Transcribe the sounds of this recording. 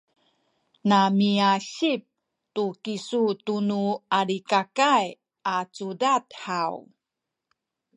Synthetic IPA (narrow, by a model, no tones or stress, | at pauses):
namiaɕip̚ | tukisutunuaɾikakaj | at͡sudathaw